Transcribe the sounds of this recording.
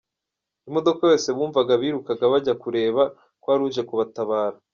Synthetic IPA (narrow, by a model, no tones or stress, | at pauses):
imo̞do̞kaje̞ːse̞βuːɱvaɡaβiːɾukaɡaβaɟakuɾe̞ːβa | kwaːɾuːʒe̞kuβataβaːɾa